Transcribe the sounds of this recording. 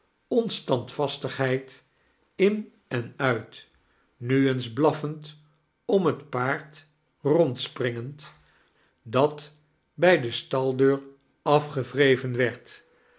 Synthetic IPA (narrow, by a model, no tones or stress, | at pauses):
ɔnstɑntfɑstəχɦɛjt | ɪn | ɛnœɥt | nyənzblɑfənt | ɔmɦətpaːɹt | rɔntsprɪŋənt | dɑt | bɛjdəstɑlˠdøːɹ | ɑfχəvrejvənʋɛɹt